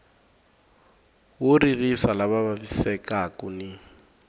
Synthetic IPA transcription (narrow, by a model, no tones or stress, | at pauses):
wʊririsalaβaβaβisɛkakuni